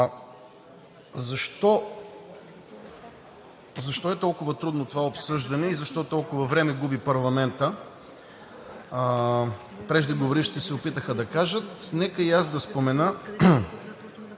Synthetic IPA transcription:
zɐʃt̪ɔ | zɐʃt̪ɔɛt̪ɔlˠkʊvɐt̪ɾud̪not̪ovaopsɤʒd̪ɐnɛizɐʃt̪ɔt̪ɔlˠkʊvɐvɾɛmɛɡubipɐɾlˠɐmɛnt̪ə | pɾɛʒd̪ɐɡovoɾiʃt̪ɛsɛopit̪əxəd̪ɐkaʒət̪nɛkəiasd̪ɐspomɛnə

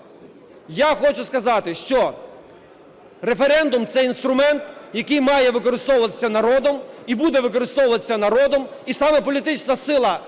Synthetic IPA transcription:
jaxɔt͡ʃʊskɐzɑt̪ɪʃt͡ʃɔ | ɾefeɾɛnd̪ʊmt̪sɛinst̪ɾʊmɛnt̪jɐkɪjmɑjɛʋɪkɔɾɪst̪ɔwʊʋɐt̪ɪ̥sʲːɐnɐɾɔd̪ɔmibud̪ɛʋɪkɔɾɪst̪ɔwʊʋɐt̪ɪsʲːɐnɐɾɔd̪ɔmisɑmɛpɔlʲit̪ɪt͡ʃnɐsɪlˠɐ

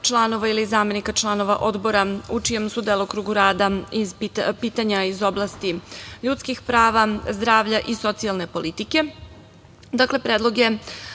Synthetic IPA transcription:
t͡ʃlˠano̞ʋailizaːme̞nikat͡ʃlˠano̞ʋa̰ʔo̞d̪bo̞ɾaut͡ʂije̞msud̪eːlˠokɾuːɡuɾaːd̪aizpipiːt̪aɲaizo̞blˠast̪iʎuːt̪skixpɾaːʋazd̪ɾaːʋʎaʔiso̞t̪sialˠne̞po̞lit̪ike̞ | d̪akle̞pɾeːd̪lˠoɡe̞

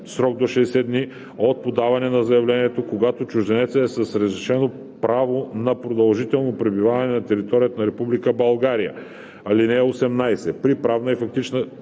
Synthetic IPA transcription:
sɾɔɡ̚d̪oʃɛːsɛd̪ni | ot̪̚pod̪avɐnɛnɐzɐjɐvlɛniɛt̪okoɡat̪ot͡ʃʊʒd̪ɛnɛt̪səːsɐsɾɐzɾɛʃɛno | pɾavonɐpɾod̪ɐlˠʒit̪ɛlˠnopɾɛbivavɐnɛnɐt̪ɛɾit̪ɔɾijət̪ɐnɐɾɛpublikəbɐlˠɡaɾijə̰ | ɐlinɛːosɛmnajsɛpɾipɾavnəifɐk̚t̪it͡ʃnə

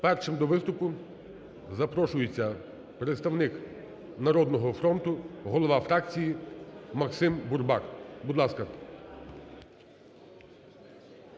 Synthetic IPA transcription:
pɛrʃɪmd̪ɔʋɪst̪ʊkʊ | zɐpɾɔʃʊjet͡sʲːɐ | pɾet̪st̪ɐwnɪk | nɐɾɔd̪nɔɦɔfɾɔnt̪ʊɦɔlˠɔʋɑfɾɑk̚t͡sʲijimɐksɪmburbɑkbʊd̪lˠɑskɐ

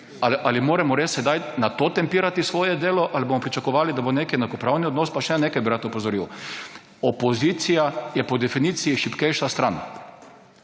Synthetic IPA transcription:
aliʔalimoːɾɛmɔɾessɛd̪ajnat̪ot̪ɛmpiːɾat̪isʋoːjɛd̪eːlɔʔalibomɔpɾit͡ʃakɔʋaːlid̪aboneːkiɛnakɔpɾawniɔd̪noːspaʃɛneːkajbiɾat̪ɔpɔzɔɾiw | ɔpɔzit̪sijajɛpɔd̪ɛfiniːt̪sijiʃipkɛjʃast̪ɾan

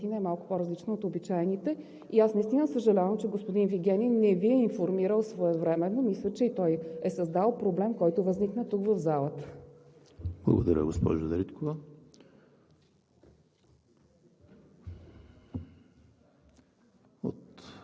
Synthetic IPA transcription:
t̪inəɛmalˠkʊ̥poɾɐzlit͡ʃnoot̪obit͡ʃaɛnit̪ɛ | iasnɐist̪inəsəʒɐlʲavəmt͡ʃɛɡospod̪inviɡʲɛninːɛviɛinfoɾmiɾəlˠsvoɛvɾɛmɛnːomislʲət͡ʃɛit̪ɔjɛsɐzd̪alˠpɾoblɛmkɔjt̪ʊvəzniknət̪ukvəvzalˠət̪ə̥ | b̥lˠə̰ɡod̪ɐ̰ɾʲə̰ɡospɔ̰ʒʊd̪ɐɾit̪kovə | o̰t̪

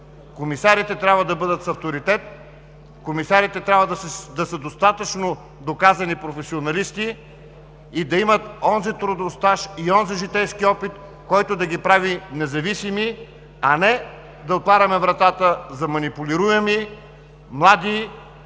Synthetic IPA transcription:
komisaɾit̪ɛt̪ɾʲjabvəd̪ɐbɤd̪ət̪sɐft̪oɾit̪ɛt̪ | komisaɾit̪ɛt̪ɾʲabvəd̪sd̪ɐsəd̪ost̪at̪ət͡ʃno | d̪okazɐnipɾofɛsionɐlist̪iː | d̪ɐimət̪ɔnzit̪ɾʊd̪ost̪aʃiɔnziʒit̪ɛjskiɔpit̪ | kɔjt̪od̪ɐɡʲipɾavinɛzɐvisimi | ɐnɛ | d̪ɐot̪vˠaɾɐmɛvɾɐt̪at̪əzɐmɐnipuliɾuɛmi | mlˠad̪i

